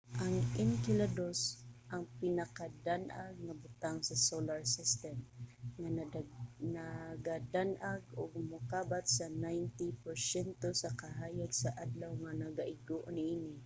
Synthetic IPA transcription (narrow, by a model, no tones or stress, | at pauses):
ʔaŋɪnkɪlad̪osʔɐŋpɪnɐkad̪anʔaɡ̚ŋabʊt̪aŋsɐsolaɹsɪst̪ɛmŋa | naɡad̪anʔaɡʊɡ̚mʊkaːbat̪sɐnajnt̪ipɛɹsɛnt̪osɐkaɦaːjaɡsaʔad̪lawŋanɐɡaʔɪɡoʔonɪʔiːnɪ